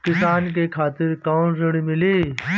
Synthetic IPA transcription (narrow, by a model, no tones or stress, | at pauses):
kɪsaːnk̬eːkʰaːt̪ɪɾkãːzəɽ̃imɪleː